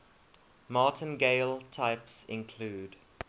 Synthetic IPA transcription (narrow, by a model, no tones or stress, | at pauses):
mɑˑtʰə̃nɡeɪltʰaɪpsɪ̃nkʰluːd